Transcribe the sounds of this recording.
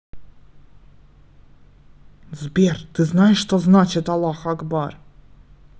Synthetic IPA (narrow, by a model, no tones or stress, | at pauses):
zbʲert̪ɨznajɪʂːt̪oznat͡ɕɪt̪ɑlˠːɑxaɡbɑr